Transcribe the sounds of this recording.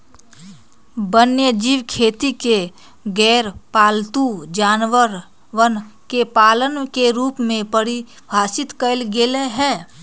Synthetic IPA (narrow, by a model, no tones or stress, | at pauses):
bənjəd͡ʒiːʋkʰeːt̪ike | ɡɛːɾpaːlt̪ud͡ʒaːnʋəɾ | ʋənkepaːlənkeɾuːpmẽpəɾi | bʱaːsɪt̪kəlɡeleɦɛː